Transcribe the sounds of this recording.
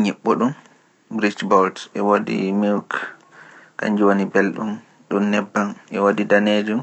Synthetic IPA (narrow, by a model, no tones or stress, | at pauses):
ɲɛɓːɔɗum | bɾid͡ʒbɔldɛwodḭmilk | ka̰ɲd͡ʒuwonibelɗum | ɗunːɛbːanʔɛwodidaned͡ʒum